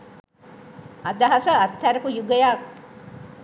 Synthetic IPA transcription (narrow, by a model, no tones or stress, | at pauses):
ɐd̪ɐɦɐsɐːt̪ʰːæɾɐfujuɡɐjaː